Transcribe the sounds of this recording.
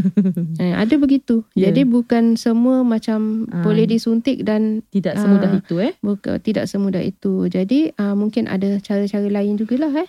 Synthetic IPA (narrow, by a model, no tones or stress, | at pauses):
əa̰dabəɡit̪ud͡ʒadibukansəmũəmãt͡ʃambolɛhdisunt̪ɪk̚dant̪idaʔsəmudaɦit̪uɛbukt̪ida̰ʔsəmũdahḭt̪ud͡ʒadiəmũŋkɪnʔa̰dat͡ʃaɾət͡ʃaɾəlaɪnd͡ʒuɡalaɦɛh